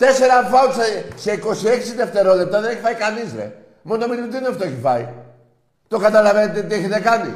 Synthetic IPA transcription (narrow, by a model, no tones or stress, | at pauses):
t̪e̞se̞ɾɐfɐot̪sese̞iko̞sie̞ksiðe̞ft̪e̞ɾo̞le̞p̚t̪ɐðe̞neçifɐikɐnizɾḛ | mo̞nomiɾimt̪inɐft̪oeçifɐ̰i | t̪o̞kɐt̪ɐlɐvenet̪et̪ieçet̪ekɐnḭ